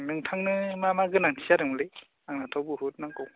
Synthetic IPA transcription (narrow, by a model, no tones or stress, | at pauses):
nɯŋtʰaŋnɯmamaɡɯnaŋtʰisaɾɯŋmlɯj | aŋnatʰɔwbɯɦut̚naŋkɯw